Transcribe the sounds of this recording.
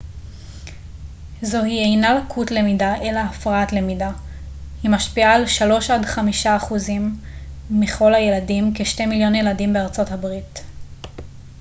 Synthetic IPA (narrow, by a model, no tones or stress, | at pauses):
zo̞hie̞jnalakʰutle̞midaʔe̞laːfʁaatle̞mida | himaʃpiaːlʃalo̞ʃadχamiʃaːχuzimː | iχo̞lhaje̞ladimkeʃtemiljo̞njeladimbeaʁt͡so̞thabʁit